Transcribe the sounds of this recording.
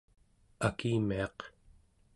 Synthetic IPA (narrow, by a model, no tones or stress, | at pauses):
akiːmiɑq